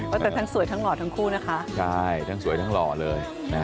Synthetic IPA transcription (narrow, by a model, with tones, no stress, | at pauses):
waː˥˩t̪ɛː˨˩t̪ʰaː˥˩nsu˨˦jt̪a˦˥ŋlɔː˨˩t̪ʰa˦˥ŋkʰuː˥˩na˦˥kʰa˦˥ʔt͡ɕʰa˥˩jt̪ʰa˥˩nsu˩˦jt̪ʰa˦˥ŋlɔː˨˩lɤː˧j | na˦˥